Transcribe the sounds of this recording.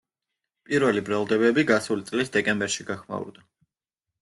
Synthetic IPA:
pʼiɾvɛlibɾalˠd̪ɛbɛbiɡasulit̪sʼlisd̪ɛkʼɛmbɛɾʃiɡaχma̰ṵɾd̪a

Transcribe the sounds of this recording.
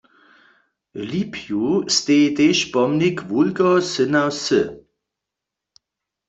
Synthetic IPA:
lipʰjust̪eːt̪eʃpɔmnikʋulɡɔsənawsə

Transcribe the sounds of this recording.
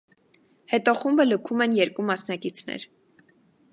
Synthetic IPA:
hɛt̪ɔχumbələkʰumɛnjɛɾkumɑsnɑkit͡sʰnɛ̰ɾ

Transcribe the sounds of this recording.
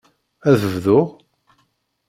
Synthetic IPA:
æðəvðʊʁ

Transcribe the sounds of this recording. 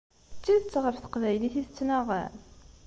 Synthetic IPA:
t͡sːiðət͡sːʁəɾθə̥qvæjliθiθət͡sːnaʁæ̰n

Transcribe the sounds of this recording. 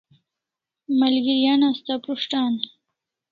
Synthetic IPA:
malɡijanast̪apɾuʂʈan

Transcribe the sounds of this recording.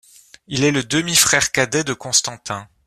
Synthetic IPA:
ilɛləd̪əmifχɛʁkad̪ɛd̪əkɔ̃st̪ɑ̃t̪ɛ̃

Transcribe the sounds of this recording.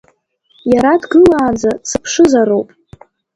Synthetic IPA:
jaɾadɡɨlaːd͡zat͡sʰɨpʰʂɨzaɾowpʼ

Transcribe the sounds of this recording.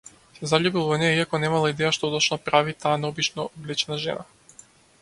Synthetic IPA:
zaʎubilˠɔvɔnɛiakonɛmalˠaid̪ɛjaʃt̪ot̪ot͡ʃnapɾavit̪aːnɛobit͡ʃnoblɛt͡ʃɛnaʒɛ̰na

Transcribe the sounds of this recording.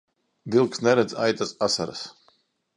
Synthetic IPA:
d̪ilˠksnɛɾɛd̪zʲajt̪asasa̰ɾa̰s

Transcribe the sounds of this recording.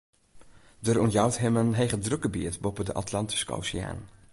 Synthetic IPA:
dərɔntjawtɦɪmənɦejχədrɵkəbiətbɔpədəʔa̰tlɑnti̥skəo̰wsɪa̰ːn

